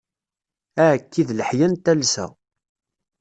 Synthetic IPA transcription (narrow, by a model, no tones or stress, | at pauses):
æʕkːiðləħjænt̪ælsæ̰